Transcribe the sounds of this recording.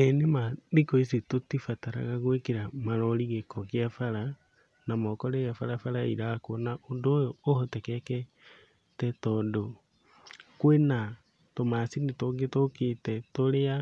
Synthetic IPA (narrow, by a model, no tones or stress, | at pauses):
ɛnemadikɔisetotifataɾa̰ɣaɣwekeɾamaɾɔɾiɣekɔkiafaɾa | namɔkɔɾeɣafaɾafaɾaiɾakwnaʔondoːjoːhɔtɛkɛkɛ | tɛtɔdo | kwena | tomasinitoɡetoketɛtoɾea